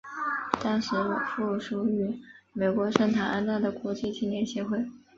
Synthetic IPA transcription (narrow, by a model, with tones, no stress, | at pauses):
t̪ɑ˥ŋʂɻ̩˧˥fu˥˩ʂu˥y˧˥me˨˩ɪkwɔ˧˥ʂə˥˩ŋt̪ʰa˨˩ʔa˥nt̪a˥˩ɪd̪ə˩kwɔ˧˥t͡ɕi˥˧t͡ɕi˥˩˧njɛ˧˥˩nɕjɛ˧˥xwe˥˩ɪ